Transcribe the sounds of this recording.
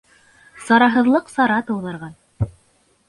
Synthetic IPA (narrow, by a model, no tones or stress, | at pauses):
sɑɾɑɦɤ̆ðlˠɤqsɑɾɑt̪ɤ̆wðɑɾʁɑn